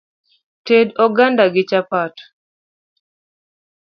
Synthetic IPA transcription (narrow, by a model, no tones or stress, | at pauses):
tedɔɡandaɡɪt͡ʃapat